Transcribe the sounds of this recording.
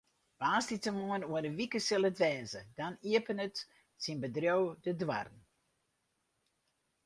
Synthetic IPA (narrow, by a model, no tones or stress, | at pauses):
b̥aːstitəmuənuənəʋikəsɪlˠətʋɛːnzədaniəpənət | sinbədrjowdədwa̰rn̩